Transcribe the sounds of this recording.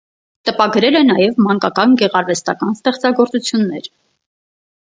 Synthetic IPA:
t̪əpɑɡɾɛlɛnɑjɛvmɑŋkɑkɑnɡɛʁɑɾvɛst̪ɑkɑnst̪ɛχt͡sɑɡɔɾt͡sut͡sʰjunːɛɾ

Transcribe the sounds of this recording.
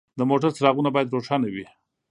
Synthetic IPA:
d̪əmoʈaɾt͡sɾɑɣunabɑjad̪ɾoʂɑnawi

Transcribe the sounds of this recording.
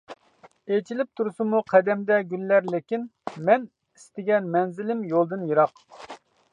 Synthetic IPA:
et͡ʃʰilɪp̚t̪ʰuɾusumuqʰɛd̪ɛmd̪ɛɡʲylːæɾlɪkʲinmɛn | ist̪ɪɡʲɛnmɛnzɪlɪmjolˠd̪ɨnjiɾɑq

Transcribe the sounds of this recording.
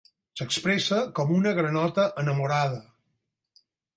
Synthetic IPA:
səkspɾesəkɔmunəɣɾənɔt̪əʔənəmuɾað̞ə

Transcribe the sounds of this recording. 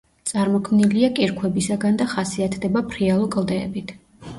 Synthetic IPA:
t̪sʼaɾmɔkʰmniliakʼiɾkʰwɛbisaɡand̪aχasiat̪ʰd̪ɛbapʰɾialˠɔkʼlˠd̪ɛːbit̪ʰ

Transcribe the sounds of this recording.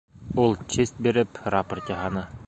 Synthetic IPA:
ulˠt͡ɕist̪̚biɾɘprapərt̪jɑhɑnɤ

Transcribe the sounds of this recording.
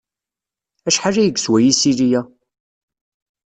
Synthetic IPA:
æʃħaʒæjəɡswæjisiɾijæ

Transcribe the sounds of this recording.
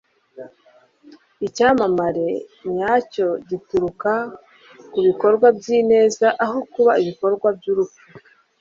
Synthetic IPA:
icaːmamaɾe̞ɲɲaːco̞ɟituɾuka | kuβiko̞ɾɡwabɟiːne̞ːzaʔaɦokuβaiβiko̞ɾɡwabjuɾupu

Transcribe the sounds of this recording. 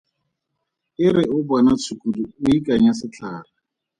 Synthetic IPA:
ɪɾɪʊbanat͡sʰukʼuduʊikʼaɲasɪt͡ɬʰaːra

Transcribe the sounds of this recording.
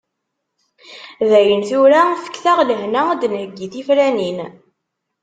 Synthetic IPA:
ðæjənθuɾafə̥kθæʁləhnæd̪nhəɡːiθifɾænin

